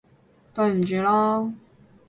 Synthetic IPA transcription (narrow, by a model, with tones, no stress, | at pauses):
t̪o˥˧˩m̩˨˩t͡ɕy˨˥lɔ˥